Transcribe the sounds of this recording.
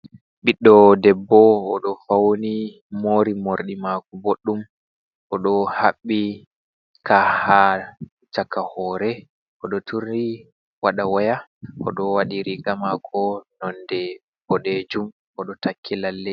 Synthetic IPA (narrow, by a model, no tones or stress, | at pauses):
ɓiɗːɔdɛbːɔːɗɔfawni | moːɾimoɾɗimakuboɗːum | ʔɔɗɔhaɓːi | kaha | t͡ʃakːahɔːɾɛ | ʔɔɗɔtʰuɾi | waɗawɔjaʔɔ̰ɗɔwaɗiɾiɡamakʰɔnɔndɛ | bɔɗed͡ʒum | ʔɔɗɔtakʰːilalːɛ